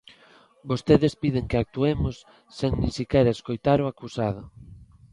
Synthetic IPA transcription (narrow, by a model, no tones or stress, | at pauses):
bost̪eðespiðeŋkeak̚t̪uemʊsː | eŋnĩŋsikɛɾɐeskojt̪aɾoakusað̞ʊ